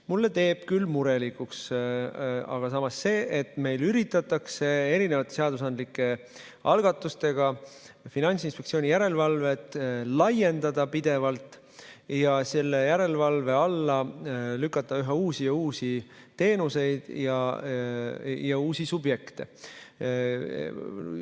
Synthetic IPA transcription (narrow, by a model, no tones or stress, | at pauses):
mulːe̞t̪e̞ːb̥kylːmuɾe̞likˑuks | ɑ̰ɡ̥ɑsɑmɑsːe̞ːʔe̞t̪ːˑme̞jlyɾit̪ːˑɑt̪ːˑɑkse̞e̞ɾine̞vɑt̪ːˑeseɑd̪us̬ɑnd̪likːˑe̞ | ʔɑ̰lɡ̥ɑt̪ːˑust̪e̞ɡ̥ɑ | finɑnʲt̪sinspe̞k̪sio̞ːnʲijæɾe̞lvɑlve̞t̪ˑːlɑje̞nd̪̥ɑd̪̥ɑpid̪̥e̞vɑlt̪ˑ | jɑse̞lːe̞jæɾe̞lvɑlve̞ɑlːɑlykːˑɑt̪ːˑɑyɦɑuːsijɑuːsi | t̪e̞ːnuse̞jd̪̥jɑ | jɑuːsisubje̞kt̪e̞̰